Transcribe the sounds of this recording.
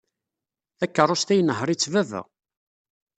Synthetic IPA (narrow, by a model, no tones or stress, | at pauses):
θækːərˤʊst̪æjnəhɾˤit͡sːvævæ̰